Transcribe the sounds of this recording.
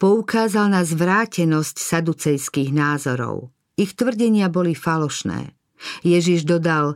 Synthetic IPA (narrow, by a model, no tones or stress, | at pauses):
pɔukaːzalnazʋɾaːcɛnɔscsad̪ut͡sɛjskiːɣnaːzɔɾɔ̰ʊ | ixt̪ʋr̩ɟɛɲɪabɔlifalɔʃnɛ̰ː | jɛʒiʒd̪ɔd̪al